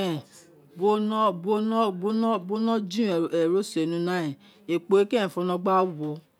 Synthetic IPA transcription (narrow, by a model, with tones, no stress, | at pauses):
ɛ˨ | bo˦nɔ̃˦bo˦nɔ̃˦bo˦ñ˦bo˦nɔ̃˦d͡ʒĩ˦˨ɛ˨ɾo˦se˨nũ˧˦nã˨˦ɛ̃˨ | e˨k͡pe˨e˦kɛ̃˦˨fɔ̃˧nɔ̃˧ɡ͡ba˦wɔ˧˦